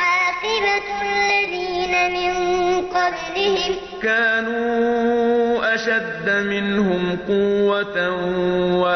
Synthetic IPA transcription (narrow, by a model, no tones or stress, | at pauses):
hɑtɪbalːaðiːnamɪnqɑblɪhɪm | kaːnuː | ʔaʃad̪ːamɪnhʊmqʊwːat̪awa